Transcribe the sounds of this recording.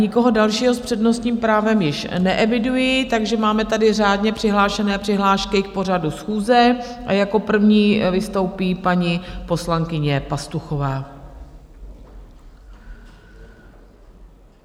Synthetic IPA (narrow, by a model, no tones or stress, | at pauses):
ɲɪko̞ɦodalʃiːɦo̞spr̥ɛdno̞st̪ɲiːmpɾaːvɛmjɪʃnɛʔɛvɪdujɪt̪aɡʒɛmaːmɛt̪adɪraːdɲɛpr̥ɪɦlaːʃɛnɛːpr̝̥ɪɦlaːʃkɪk̚po̞r̝adusxuːzɛʔajako̞pr̩vɲiːvɪst̪o̞wpiːpaɲɪpo̞slaŋkɪɲɛpast̪uxovaː